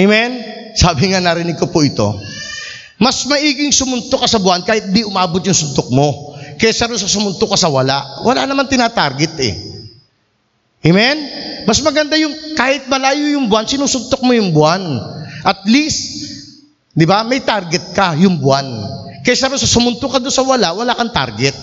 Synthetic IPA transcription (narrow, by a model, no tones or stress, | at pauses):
emɛn | saːbɪŋanɐɾɪnɪɡ̚kopʊʔɪt̪o̞̰ | mɐsmɐʔiːɡɪŋsʊmʊnt̪okɐsɐbʊankaːhɪt̪̚d̪iʔʊmaːbot̪̚jʊŋsʊnt̪ok̚mo̞kɐjasɐɾosɐsʊmʊnt̪okɐsɐwɐla̰ʔwɐla̰nɐmant̪ɪnaːt̪aɾɡɛt̪ɛ̰ | ʔemɛnmɐsmɐɡɐnd̪ajʊŋkaːhɪt̪̚mɐlaːjojʊŋbʊansɪnuːsʊnt̪ok̚mojʊŋbʊanʔɐt̪̚list̪̚ | d̪ɪbamɐjt̪aɾɡɛt̪̚kɐjʊŋbʊankɐjasɐɾosɐsʊmʊnt̪okɐd̪onsɐwɐlaʔwɐlaːkɐŋt̪a̰ɾɡɛt̪̚